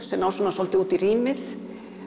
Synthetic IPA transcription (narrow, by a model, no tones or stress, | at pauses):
sɛmnawsɔnasɔlt̪ɪuːt̪iriːmɪθ